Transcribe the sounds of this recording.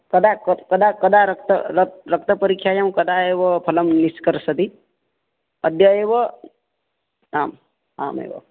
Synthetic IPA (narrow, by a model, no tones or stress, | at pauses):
kɐd̪akkɐd̪akɐd̪aɾɐkt̪ɐɾɾɐk̚t̪ɐpəɾikʰjajamkɐd̪aeːʋɔpʰɐlɐmniskəɾsɐt̪i | əd̪jəeːʋɔ | aːm | a̰ːmḛːʋɔ̰